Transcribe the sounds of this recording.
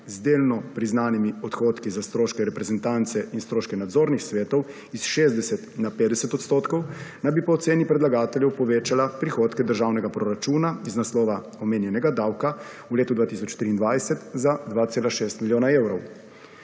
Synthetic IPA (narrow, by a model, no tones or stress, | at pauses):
zd̪eːlnɔpɾiznaːnimiɔt̪xoːt̪kizast̪ɾoːʃkɛɾɛpɾɛzɛnt̪ant̪sɛʔinst̪ɾoːʃkɛnad̪zoːɾnixsʋɛːt̪ɔw | isʃeːzd̪ɛsɛt̪napeːd̪ɛsɛt̪ɔt̪st̪oːt̪kɔwnajbipɔːt̪seːnipɾɛd̪laɡaːt̪ɛljɛwpɔʋeːt͡ʃalapɾixot̪kɛd̪əɾʒaːwnɛɡapɾɔɾat͡ʃuːnaiznaslɔːʋa | ɔmeːnjɛnɛɡad̪aːwka | uleːt̪ud̪ʋaːt̪isɔt͡ʃt̪ɾiːnd̪ʋajsɛt̪zad̪ʋaːt̪seːlaʃeːst̪miljoːnaewɾɔw